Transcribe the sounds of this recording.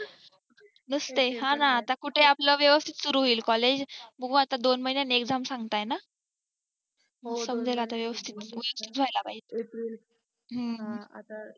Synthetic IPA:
nəst̪eɦãnaːt̪akuʈʰeapləʋjəʋəst̪ʰi̥t̪suɾuɦoiːlkɔled͡ʑbəɡʱũat̪ad̪onməɦinjanekd͡zʱamsãŋɡt̪ajna | səmd͡zelaat̪aʋjəʋəst̪ʰit̪ʋjəʋəst̪ʰit̪ʋʱajlapaɦi | ɦə

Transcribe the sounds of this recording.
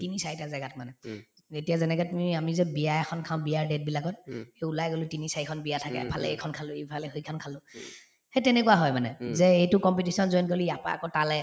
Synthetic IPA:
tinisaɹitazɛɡat̚manɛ | etijazɛnɛkɔtmiamizɛbijajɛxʰɔnkʰãʊ̃biaɹdet̚bilakɔt̚heulajɡolʊtinisaɹikʰɔnbijatʰakɛ̰pʰalɛ̰ejkʰɔnkʰalʊejpʰalɛhojkʰɔnkʰalʊ̃ | hetɛnɛkuaɦɔjmanɛzɛejtʊkɔmpitisɔnzojnkoliapa̰a̰kotalɛ

